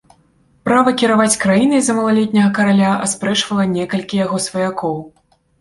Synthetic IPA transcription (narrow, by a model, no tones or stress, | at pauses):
pɾavɐkʲiɾavat͡sʲkɾajinɨzɐmɐlˠalʲɛt̪ʲnʲɐɣɐkɐɾalʲaɐ̰spɾɛt͡ʂvɐlˠɐnʲɛkɐlʲkʲijaɣɔsvɐjakɔw